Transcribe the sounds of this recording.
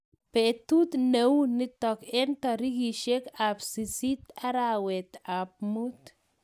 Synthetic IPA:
pet̪u˦t̪newni˦t̪ɔ˨ke˦nt̪ɔɾi˦ɡi˨ʃe˦ka˨psisi˦t̪a˦ɾawɛ˨t̪ap̚mut̪

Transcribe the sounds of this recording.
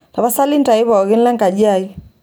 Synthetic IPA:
ta˨βa˦sa˦li˦n˦ta˨i˦βa˨ɔ˨ɣɪ˦nla˦ŋka˨d͡ʒa˦˨i˦

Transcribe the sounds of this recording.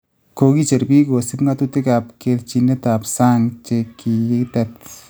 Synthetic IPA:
ko˧ki˦t͡ʃe˨ɾbi˦ko˨si˦pŋɡa˦t̪ut̪e˦ka˨p̚keɾt͡ʃine˦t̪a˨psa˦ŋt͡ʃe˧kːi˨jɪ˦kt̪ɛt

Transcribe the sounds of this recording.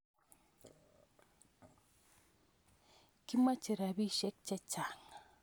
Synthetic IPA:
ki˦ma˦t͡ʃi˨ɾa˨bi˦ʃɛ˦k̚t͡ʃɛ˦t͡ʃa˨ŋa

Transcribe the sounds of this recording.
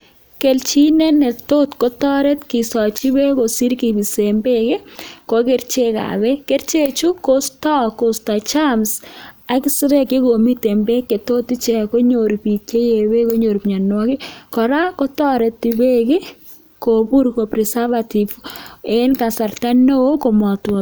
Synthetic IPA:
ke˨lt͡ʃi˦nɛ˦nɛ˨to˦tkɔ˦tɔ˦ɾɛ˦t̪kɪ˨sɔ˨t͡ʃi˦be˦ko˨si˦ɾki˨bi˨se˨mbe˦kɪ˦ko˨ke˦ɾt͡ʃe˦ka̰˨bɛ˦ke˦ɾt͡ʃe˦t͡ʃu˦ko˦stɔ˦ko˨sta˨t͡ʃa˦msa˨kɪ˦sɪ˦ɾɛ˦kɪ˦ko˨mi˦te˨mbe˦kːe˨to˦t̪ːi˦t͡ʃɛ˨ko˦ɲo˨ɾpi˨ke˦je˨we˦ko˦ɲo˨ɾpɲa˨nwɔ˦kɪ˦kɔ˨ɾa˦kɔ˦tɔ˦ɾɛ˨tːi˨be˦kɪ˦ | ko˨bu˦ɾko˨pɾɛ˨sa˦va˨ti˨fe˦nka˨sa˨rta˦no˦ko˨mɔ˨twɔ˨

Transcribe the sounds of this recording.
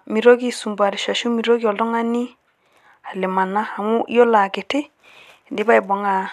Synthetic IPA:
mi˨ɾo˦ɡi˦su˨mba˨ɾi˨ʃa˨ʃu˦mi˨ɾo˦ɡi˦ɔ˨ldɔ˦ŋa˦ni˦ | a˨le˨ma˨naː˦˨mu˦jo˦la˨ke˨te˦˨ | ndi˦ba˦i˨bɔ˨ŋa˨

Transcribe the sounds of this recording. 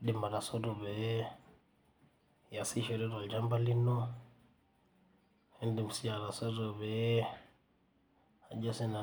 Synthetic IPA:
di˨ma˨ɾa˨sɔ˦ɾɔ˨βɛ˨ | ja˨si˦ʃɔ˨ɾɛ˦ɾa˨ld͡ʒa˦mba˦li˦nɔ˦ | ɛ˦ndi˨m̩˨si˦a˨ɾa˨sɔ˦ɾɔβɛ˦ | a˨d͡ʒɔ˦sɛ˦na˨

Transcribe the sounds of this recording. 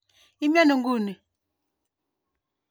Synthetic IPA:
i˦mja˦nu˨ŋɡu˦˨ni˨

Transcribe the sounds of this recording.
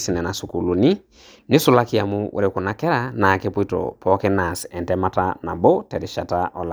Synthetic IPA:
si˨nɛ˨na˨su˨ku˨lu˨ni˦ | nɪ˦sʊ˨la˦kɪ˦a˨mʊ˦ʔḛ˨ɾe˨kʊ˨na˦kɛ˦ɾa˨na˨ke˦pwi˦tɔ̰˨pɔ˦ke˦na˨sɛ˨ntɛ˦ma˦ta˦na˨bɔ˦tɛ˨ɾɪ˨ʃa˨ta˦ʔɔ˨la˨

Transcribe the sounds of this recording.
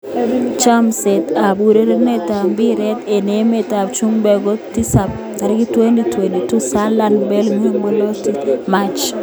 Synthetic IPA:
t͡ʃa˦mse˨ta˨bu˨ɾe˦ɾe˦ne˦ta˨mbi˦ɾɛ˦te˨ne˨˦me˨ta˨t͡ʃu˦ŋbɛ˨ɡo˦ti˦sa˨p̚ | ka˨ɾɪ˦kɪ˦twe˦ndi˨twe˨ndi˨tu˦sa˦la˦nbɛ˦lŋi˦o˦ŋbo˦lo˦tima˦t͡ʃ

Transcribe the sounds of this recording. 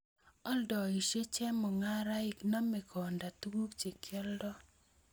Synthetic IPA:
ɔ˦ldɔ˨i˨ʃe˦t͡ʃɛ˦mɔ˨ŋa˦ɾa˦ɪ˨kna˦mɛ˨ɡɔ˨nda˨tu˦ɡu˦kt͡ʃe˨kʰɛ˦ldɔ˦

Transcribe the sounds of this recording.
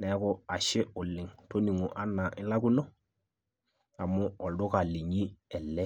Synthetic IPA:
nɛ˨˦kʊ˨a˨ʃɪ˦ʊ˨lɪ˨ŋto˦ni˨ŋu˨ʔa˦na˨ʔɪ˦la˦ku˦no˦ | a˨mʊ˦ɔ˨ldʊ˦ka˨li˨ɲi˦ɛ˨lːɛ˦

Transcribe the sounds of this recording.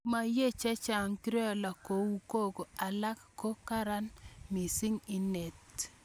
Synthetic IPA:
ma˨je˦t͡ʃɛ˦t͡ʃa˨ŋki˦ɾɔ˦˨la˨ko˨wu˦ko˦˨ko˨a˨la˦kkːo˦ka˦ɾa˦nmi˨sɪ˦ŋi˦ne˨t

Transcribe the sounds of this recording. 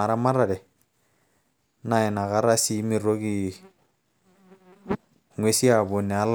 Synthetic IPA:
a˨ɾa˦ma˦ɾa˨ɾɛ˨ | na˨ɪ˨na˨ka˦ɾa˦si˦mi˨ɾo˦ɡi˦ | ŋwe˦si˦a˨bo˨nːɛ˨a˦l

